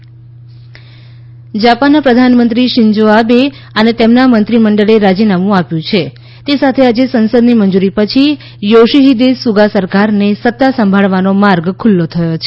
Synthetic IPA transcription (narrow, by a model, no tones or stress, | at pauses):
d͡ʒapanːapɾəd̪ʱanmənt̪ɾiʃɪɲd͡ʒoabe | ənet̪emnamənt̪ɾiməɳɖəɭeɾad͡ʒinamũapjũt͡ʃʰe | t̪esat̪ʰead͡ʒesənsəd̪nimənd͡ʒuɾipət͡ʃʰi | joʃiɦid̪esuɡasəɾkaɾnesət̪ːasəmbʱaɭʋanomaɾɡkʰʊlːot̪ʰəjot͡ʃʰe